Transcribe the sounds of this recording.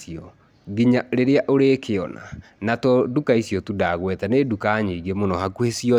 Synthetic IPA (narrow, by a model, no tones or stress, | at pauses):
siɔ | ɡiɲaɾeɾeaʔoɾeːkeɔna̰ | natɔdukaisjɔtudaɣwɛtanedukaːɲiiɣemonɔhakuhesiɔ